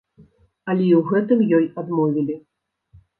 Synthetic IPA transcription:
ɐlʲɛiwɣɛt̪ɨmjɔjad̪mɔvʲilʲi

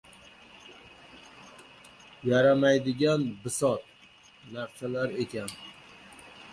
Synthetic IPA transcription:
jaɾamajd̪ɪɡʲanbɪsɒt̪̚ | naɾsalaɾe̞kʲʰan

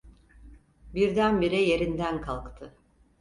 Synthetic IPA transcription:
biɾd̪ænbiɾije̞ɾind̪ænkʰalˠkt̪ʰɯ

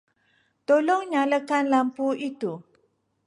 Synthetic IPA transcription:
t̪olɔŋɲãləkanlampuit̪u

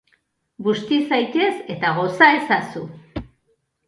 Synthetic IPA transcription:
ɡust̪isajt̪e̞se̞t̪aɣo̞sae̞sasu

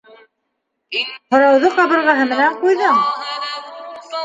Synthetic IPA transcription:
hŏɾɑwðɤqɑβɤ̆ɾʁɑɦɤmɘ̆næɴqujðɤɴ

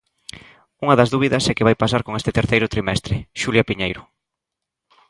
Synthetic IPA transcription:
uŋɐðɐzðuβ̞iðɐsɛkɪβajpasaɾkoŋest̪ɪt̪eɾθejɾʊt̪ɾimɛst̪ɾɪʃuljapiɲejɾʊ

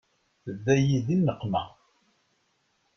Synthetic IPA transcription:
θəðːæjiðinːəqːmæ

